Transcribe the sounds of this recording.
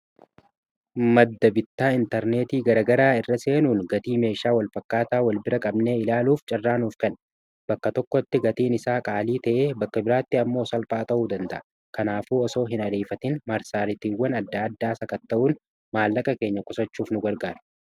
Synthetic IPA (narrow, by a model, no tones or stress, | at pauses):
mɐd̪ːɐbɪt̪ːaːɪnt̪ɐɾne̞ːt̪iːɡɐɾɐɡɐɾaːɪrːɐse̞ːnuːnɡɐt̪iːme̞ːʃaːwɐlfɐkːaːt̪aːwɐlbɪɾɐkʼɐbne̞ːɪlaːluːft͡ʃʼɐrːaːnuːfkɐn | b̥ɐkːɐt̪ɔkːɔt̪ːɪɡɐt̪iːnɪsaːkʼaːliːt̪ɐʔeːbɐkːɐbɪɾaːt̪ːɪɐmːo̞ːsɐlpʼaːt̪ʼɐʔuːd̪ɐnd̪ɐ̰ʔɐ | kɐnaːfuːɔso̞ːɦɪnɐɾeːfɐt̪ɪnmɐɾsaːɾɪt̪iːwːɐnɐd̪ːaːd̪ːaːsɐkɐt̪ːɐʔuːn | maːlːɐkʼɐke̞ːɲːɐkʼʊsɐt͡ʃːuːfnʊɡɐɾɡaːɾɐ̥